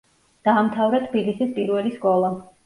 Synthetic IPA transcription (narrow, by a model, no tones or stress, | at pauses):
d̪̥aːmt̪ʰavɾat̪ʰbilisispʼiɾwɛliskʼɔlˠa